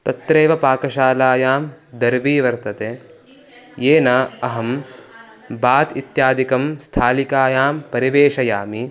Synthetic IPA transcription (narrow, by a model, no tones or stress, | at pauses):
t̪ɐt̪ɾeːʋɐpaːkɐʃaːlaːjaːmd̪ɐɾʋiːʋɐɾt̪ɐt̪eː | jeːnɐːɐɦɐm | baːt̪it̪jaːd̪ikɐmst̪ʰaːlikaːjaːmpɐɾiʋeːʃɐjaːmi